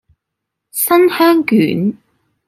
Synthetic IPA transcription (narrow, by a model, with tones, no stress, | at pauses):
sɐ˥nhœː˥ŋkyː˨˥n